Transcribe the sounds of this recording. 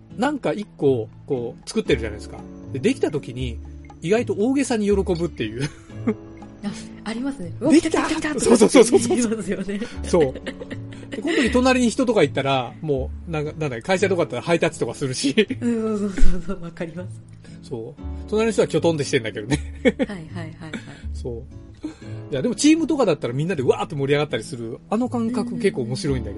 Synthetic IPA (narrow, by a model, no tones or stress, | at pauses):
nãŋkaikːo̞ko̞ːt͡sɨ̥kɯ̟t̪ːe̞ɾɯ̟ʑa̰na̰id̪esɨ̥ka̰d̪̥e̞d̪e̞kʲi̥t̪at̪̬o̞kʲiɲ̟iː | iɡait̪o̞oːɡe̞sãɲ̟ijo̞ɾo̞ko̞bɯ̟t̪ːe̞jɯ̟ː | a | aɾʲimasɨned̪ekt̪asoːsoːsoːsoːsosjoneso̞ː | d̪e̞ko̞nt̪o̞kʲit̪o̞naɾʲiɲ̟içi̥t̪o̞t̪o̞kait̪ːaɾamo̞ːnãŋkanãnd̪akːekaiɕat̪okad̪at̪ːaɾahait̪at͡sɨ̥t̪o̞kasɨɾɯ̟ɕioooβakaɾʲimasɨ̥ | so̞ːt̪o̞naɾʲinç̥ʲit̪akʲo̞t̪õn̬eki̥t̪e̞nd̪ake̞d̪o̞ne̞hhaaso̞ː | d͡ʑaːd̪e̞mot͡ɕiːmɯ̟t̪o̞kad̪at̪ːaɾamʲĩnːad̪e̞ɯ̟aːt̪ːo̞mo̞ɾʲiaɣat̪ːaɾʲisɨɾɯ̟ano̞kãŋkakɯ̟ke̞kːo̞ːmo̞ɕiɾo̞ĩnd̪ake